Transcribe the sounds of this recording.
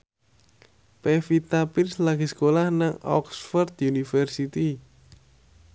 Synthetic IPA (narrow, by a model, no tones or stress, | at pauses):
pɛfit̪apinslaɡ̥isə̥kolahnaŋɔ̰ksfɔrd̪unifɛrsit̪i